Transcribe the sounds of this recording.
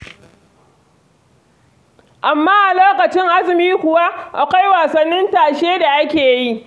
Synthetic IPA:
ʔa˨mːaː˦ʔa˨loː˦kɐ˨t͡ʃɪ˦ŋʔa˦zɪ˨miː˦kʷʊ˨wa˦ʔa˨kʷa˦jwaː˨sɐ˦nːɪ˦ntaː˨ʃeː˦da˨ʔa˦kʲeː˨ji˦ʔ

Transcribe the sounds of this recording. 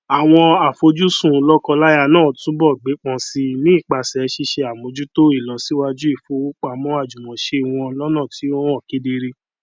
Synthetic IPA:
a˨w̃ɔ̃˧a˨fo˧d͡ʒu˦sũ˦˨˦lɔ˦kɔ˧la˦ja˧nãː˦˨tũ˦bɔ˦˨ɡ͡be˨˦k͡pɔ̃˧si˧nĩ˦i˦˨k͡pa˧sɛ˨˧˦ʃi˧ʃe˧a˨mo˨˧d͡ʒu˦to˦i˦˨lɔ˨si˨˦wa˧d͡ʒu˦i˦˨fo˧˦o˦k͡pa˧˨mɔ̃˦a˦˨d͡ʒu˨mɔ̃˨ʃe˧˨w̃ɔ̃˧lɔ˦nã˦˨ti˨˦õ˦ɔ˦˨ke˨˦de˧ɾe˧

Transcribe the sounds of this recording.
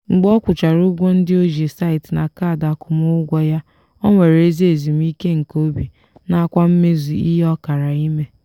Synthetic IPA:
ŋ͡m̩˨ɡ͡bɔ˦kʷʊ˨t͡ʃa˨ɾʊ˦ɡʷo˦n̩˦dɪ˦o˦ʒe˨sa˦ɪ˨tna˨kaː˦˨da˨kʊ˨mʊ˦ʊ˦ɡʷɔ˦ja˦ | o˦ŋʷe˨ɾe˦zi˦e˨zi˨m̩˦i˦ke˦ŋ̩˨ko˦bi˨ | na˦a˦kʷa˦m̩˦me˦zu˨i˦ɦe˦ɔ˦ka˨ɾa˨i˦me˦

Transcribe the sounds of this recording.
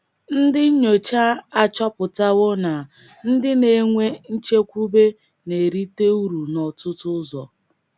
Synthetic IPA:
n̩˦dɪ˦ɲ̩˦ɲo˨t͡ʃa˦a˦t͡ʃɔ˦pʊ˨ta˦wʊ˦na˨ | n̩˦dɪ˦ne˨˦ŋʷe˦n̩˦t͡ʃe˦kʷu˦be˦ | ne˨ɾi˦te˦u˦ɾu˨nɔ˨tʊ˦tʊ˦zɔ˨

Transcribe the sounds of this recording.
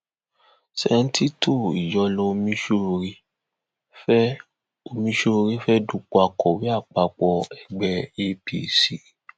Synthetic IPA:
sɛ˨˧n̩˦ti˦to˦˨ḭ˨jɔ˧˦lo˧˦˧mĩ˦ʃo˧˦˧ɾi˧ | fɛ˦ | o˧mĩ˧˦ʃo˧ɾi˦fɛ˦du˦˧k͡pu˨˦a˧kɔ˨wi˦a˦˨k͡pa˧k͡pɔ˧ɛ˨ɡ͡bɛ˧e˦pḭ˨si˨

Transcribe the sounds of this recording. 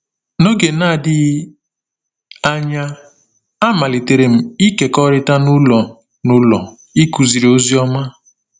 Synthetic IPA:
no˦ɡe˨na˦˨dɪ˦ | a˦ɲa˦ | a˦ma˨le˨te˨ɾe˨m̩˦i˦ke˨kɔ˦ɾɪ˦ta˦nʊ˦lɔ˨ | nʊ˦lɔ˨ | i˦ku˨zi˨ɾo˦zi˦ɔ˦ma˦

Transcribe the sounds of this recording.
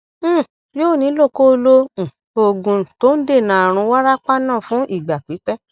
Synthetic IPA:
joː˦˨nĩ˨˧˦lo˦˨ko˦˧lõ˦˨ | o˧ɡũ˧to˦n̩˦de˦˨nã˨a˨ɾ̃ũ˧˦wa˦ɾa˦k͡pa˦nã˦˨fũ˨˦ʔi˦˨ɡ͡ba˨k͡pi˨˦k͡pɛ˦

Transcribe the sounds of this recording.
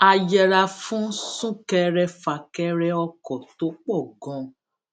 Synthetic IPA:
a˨jɛ˨ɾa˧fũ˨˦sũ˦kɛ˧ɾɛ˧fa˨kɛ˧˦ɾɛ˦˧ɔ˧kɔ˨to˨˦k͡pɔ˦˨ɡɔ̃˨˧

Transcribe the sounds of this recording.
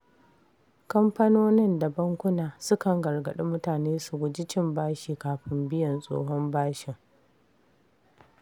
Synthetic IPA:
kɐ˦mpɐ˦noː˦nɪ˦nda˨bɐ˦ŋkʷʊ˦naː˨sʊ˦kɐ˨ŋɡɐ˨rɡɐ˨ɗe˦mʊ˦taː˨neː˦sʊ˨ɡʷʊ˨d͡ʒɪ˦t͡ʃɪ˦mbaː˦ʃiː˨kaː˨ɸɪ˦mbɪ˦jɐ˨nsʼo̰ː˦ɦɔ˦mbaː˦ʃɪ˨ŋ

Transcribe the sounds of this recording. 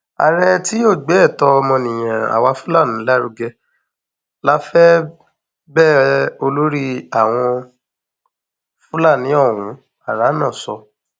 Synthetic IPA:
a̰˨ɾɛ˧ti˦o˦˨ɡ͡bɛ˨˦˨tɔ˧mɔ̃˧nĩ˨j̃ã˨a̰˨wa˧fu˦la˦˨nĩ˨˦la˦ɾu˧ɡɛ˧ | la˦fɛ˦ | bɛ˦˨o˧lo˦ɾi˦a˨w̃ɔ̃˧ | fu˦la˦˨nĩ˨˦ɔ˦˨wũ˨˦ | a˦˨ɾa˨˦nã˦˨sɔ̰˧

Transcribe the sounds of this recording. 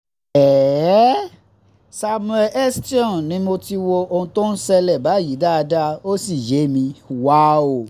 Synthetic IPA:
ɛ˨ | sa˧mũ˦˧ɛ˧ʔɛ˦sti˦ɔ̃˦˨nĩ˨˦mo˧ti˧wo˧o˧ũ˧to˦n̩˦sɛ˧lɛ˦˨ba˨˦˨ji˨˦da˦a˧da˦o˦si˦˨je˨˦mĩ˧wa˦o˦˨

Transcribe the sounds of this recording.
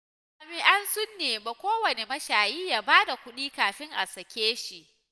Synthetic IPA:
a˨mi˦ʔa˦nsʊ˦nːeː˨ma˨kʷoː˦wɐ˨ne˨mɐ˦ʃaː˨jiː˦jaː˦baː˦da˨kʷʊ˦ɗiː˦kaː˨ɸɪ˦ŋʔa˨sɐ˨kʲeː˦ʃi˨ʔ

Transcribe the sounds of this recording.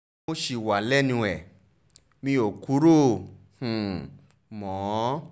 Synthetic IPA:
o˧˦ʃi˨wa˨lɛ˦˨nĩ˧ɛ˨ | mĩ˧o˨ku˨˦ɾõ˦˨ | mɔ̃ː˨˦

